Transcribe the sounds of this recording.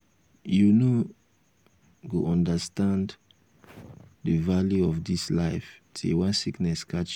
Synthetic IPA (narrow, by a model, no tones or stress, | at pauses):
juno | ɡoʔɔ̃ndastãnd | dəvaljuɔfdislaɪftʰḛwãnsiknɛskʰat͡ʃ